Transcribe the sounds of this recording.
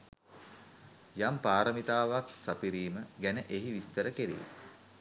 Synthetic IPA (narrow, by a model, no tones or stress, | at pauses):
jampaːɾəmit̪aːʋaksapiɾiːməɡænəʔeɦiʋist̪əɾəkeɾḭ